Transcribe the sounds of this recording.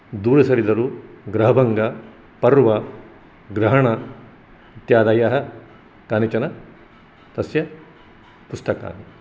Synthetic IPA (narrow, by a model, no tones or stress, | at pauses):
d̪uːɾɐsɐɾid̪ɐɾuɡɾɐɦɐbʱɐŋɡɐ | pɐɾʋɐ | ɡɾɐɦɐɳɐ | it̪jaːd̪ɐjɐɦɐ̆ | kaːnit͡ʃɐnɐ | t̪ɐsjɐ | pust̪ɐka̰ːmi